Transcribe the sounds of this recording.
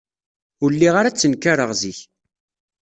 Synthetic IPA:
ʊlːiʁaɾat͡sːənkaɾəʁziç

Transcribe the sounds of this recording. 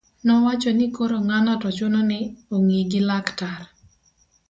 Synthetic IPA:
nɔwat͡ʃɔnɪkoɾoŋanatɔt͡ʃʊnɔnɪoŋiɡilaktar

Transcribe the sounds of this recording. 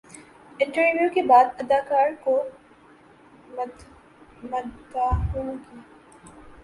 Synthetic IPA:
ɪ̃ɳʈəɾʋjukebaːd̪ɐd̪aːkaːɾko | mɐd̪aɦõɡiː

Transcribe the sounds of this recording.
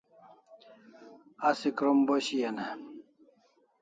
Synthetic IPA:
ɐsikɾomboɕijɐne

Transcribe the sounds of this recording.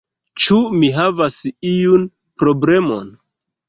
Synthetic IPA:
t͡ʃumiɦavasijun | pɾo̞ble̞mo̞̰n

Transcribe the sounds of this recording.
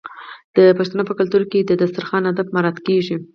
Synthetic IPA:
d̪̥əpaʃt̪anopəkalt̪uɾked̪əd̪ast̪aɾxɑnad̪abmaɾɑt̪keʐi

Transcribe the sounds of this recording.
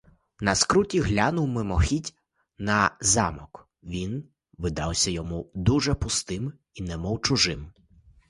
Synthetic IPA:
nɐskɾutʲiɦlʲanʊwmɪmɔxʲitʲ | nɐzɑ̰mɔk | ʋʲin | ʋɪd̪ɑwsʲɐjɔmud̪uʒɛpʊst̪ɪm | inɛmɔwt͡ʃʊʒɪm

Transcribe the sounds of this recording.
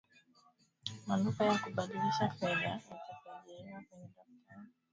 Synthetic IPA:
manufajakuɓaɗiliʃakɛɗaakazaɛakwɛɲɛɗaftʰaɾa

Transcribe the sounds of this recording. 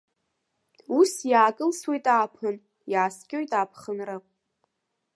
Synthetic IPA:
usjaːkʼɨlswejtʼaːpʰɨn | jaːskʲʼojtʼaːpʰχənra

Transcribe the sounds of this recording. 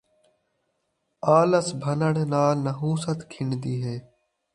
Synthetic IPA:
aːləsbʱənəɳnaːlnəɦũːsət̪kʰɪɳd̪iːɦeː

